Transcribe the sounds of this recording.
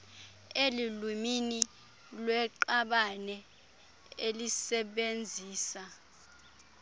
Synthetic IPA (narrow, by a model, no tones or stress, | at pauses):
elilumini | lwɛǃaɓanɛ | elisɛɓend͡zʱiːsa